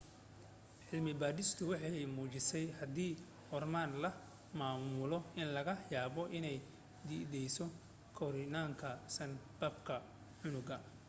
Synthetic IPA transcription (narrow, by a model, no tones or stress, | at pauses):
ħɪlmɪbaːd̪ɪst̪ʰʊwɑħɑjmuːt͡ʃɪsɛjhɐd̪iː | ɔrmaːnlɐ | maːmʊlɔɪnlɐɣɐjaːβɔʔɪnɛj | d̪id̪ɛjsɔ | kʰɔɾɪnaːŋkʰɐsɐnbɐbkʰɐ | ʕʊnʊɣɐ